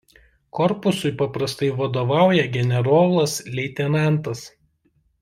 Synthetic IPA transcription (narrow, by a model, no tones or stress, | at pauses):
kɔɾpʊsʊɪpɐpɾɐst̪ɐɪʋɐd̪oːʋɑˑʊjɛɡʲɛnʲɛɾoːlˠɐslʲɛɪt̪ʲɛnɑˑnt̪ɐs